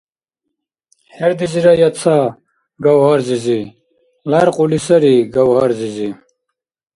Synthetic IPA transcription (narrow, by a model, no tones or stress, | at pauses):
heɾd̪iziɾɐjɐt͡sʰa | ɡawhɐɾzizi | laɾqulisɐɾiɡawɦaɾzizi